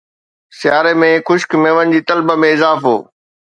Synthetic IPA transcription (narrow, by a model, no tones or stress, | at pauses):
sɪjaːɾemẽxʊʃkmeːʋəñɪ̆d͡ʑiːt̪ɐlbəmẽɪzaːfɦoː